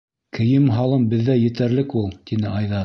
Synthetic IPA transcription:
kʰɘ̆jɘmɦɑlˠɤmbɘ̆ðːæjɘ̆t̪æɾlɘkulˠt̪inɘɑjðɑ

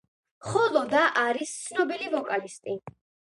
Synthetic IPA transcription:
χɔlˠɔd̪aʔaɾist̪sʰnɔbilivɔkʼalist̪ʼi

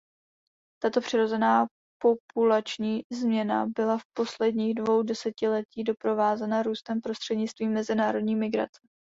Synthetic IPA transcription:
t̪at̪o̞pr̝̥ɪɾo̞zɛnaː | po̞pulat͡ʃɲiːzmɲɛna̰bɪlafpo̞slɛdɲiːɣdvo̞wdɛsɛcɪlɛciːdo̞pɾo̞vaːzɛnaɾuːst̪ɛmpɾo̞st̪r̥ɛdɲɪt͡st̪viːmːɛzɪnaːɾo̞dɲiːmɪɡɾa̰t͡sɛ̥

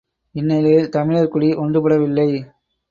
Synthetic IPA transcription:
ɪnːɛlɐjɪlt̪ɐmɪɭɐɾkʊɽiʔɔndrɯpɐɽɐʋɪlːɐɪ

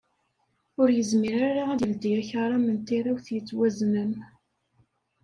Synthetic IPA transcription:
ʊɾjəzmiɾaɾaæðjəld̪iæçəɾˤɑmənt̪iɾˤawθjət͡sːwæznən

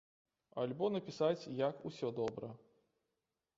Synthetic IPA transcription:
ɐlʲbɔnɐpʲisat͡sʲjɐkusʲɔd̪ɔbɾɐ

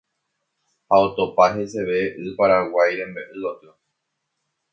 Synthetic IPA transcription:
haot̪o̞paɦe̞se̞ʋe̞ʔɨpaɾawajɾẽ̞mbeʔɨot̪ɨo

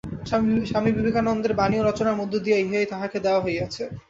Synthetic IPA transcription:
ʃamibibekʰanɔnd̪eɾbanioɾɔt͡ɕonaɾmod̪ʱːod̪ijaɦiajt̪aɦaked̪eoaɦoejɡat͡ɕʰe

